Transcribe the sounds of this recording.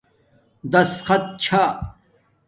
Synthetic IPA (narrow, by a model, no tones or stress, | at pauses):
d̪ɐsxɐt̪̚t͡ɕʰa